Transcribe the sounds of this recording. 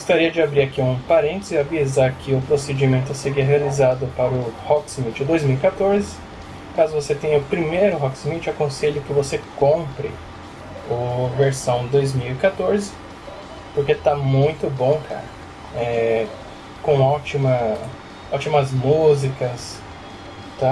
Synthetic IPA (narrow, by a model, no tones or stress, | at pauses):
ɡost̪aɾiɐd͡ʒɪabɾiɾakiũpaɾẽnt̪ezɪavizaɾkɪʊpɾosed͡ʒimẽnt̪ʊseɾiɐɦealizad̪ʊpaɾʊhɔksmit͡ʃɪd̪ojzmiwikat̪oɾzɪ | kazʊvoset̪ẽj̃ɐʊpɾimejɾʊɦɔksmit͡ʃɪakõseʎʊkɪvosekõpɾɪ̰ | ʊveɾsɐ̃w̃d̪ojzmiwikat̪oɾzɪ | poɾket̪amũj̃t̪ʊbõw̃kʰa̰ɾɐ | ɛ | kõɔt͡ʃimɐ | ɔt͡ʃimɐzmuzikɐs | t̪a